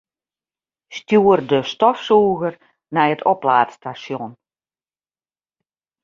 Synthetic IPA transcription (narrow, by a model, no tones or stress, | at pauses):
stjuərdəstɔfsuːɣər | nɛjətʰoplaːtstasjɔn